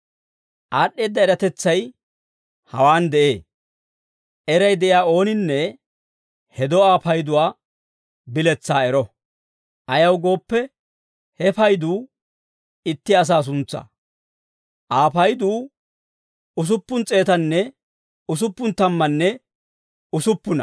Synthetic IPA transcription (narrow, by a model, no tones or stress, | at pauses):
ʔaːɗːe̞ːd̪ːɐɛɾɐt̪ɛt͡sːɐj | hɐ̰waːnd̪ɛʔḛː | ʔɛɾɐjd̪ɛʔɪjaːo̞ːnɪnːɛ | hɛd̪ɔaːpɐjd̪ʊwaː | bɪlɛt͡sːaːɛɾɔ | ʔɐjɐwɡo̞ːpːɛ | hɛpɐjd̪uː | ɪt̪ːɪɐs̬aːs̬ʊnt͡sːɐ̰ | ʔaːpɐjd̪uː | ʊs̬ʊpːʊnt͡sʼe̞ːt̪ɐnːɛ | ʊs̬ʊpːʊnt̪ɐmːɐnːɛ | ʊsʊpːʊnɐ̰